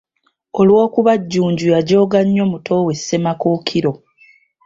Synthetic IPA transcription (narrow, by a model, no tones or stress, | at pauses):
olwo̞ːkuβaɟːuːɲɟujaɟo̞ːɡaɲːo̞mutʰo̞we̞sːe̞makoːkʰiɾo̞